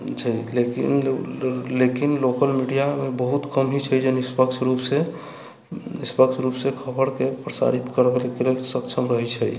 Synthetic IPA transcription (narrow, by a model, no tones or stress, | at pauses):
t͡ʃʰəjlekḭn | lekinlokəlmiɖijamebəɦut̪kəmɦit͡ʃʰəjd͡ʒənispəkt͡ʃʰɾupse | ispəkt͡ʃʰɾupsekʰəbəɽkepɾəsa̰ɾit̪kəɾbelkelelsəbt͡ʃʰəmɾəɦɛt͡ʃʰəj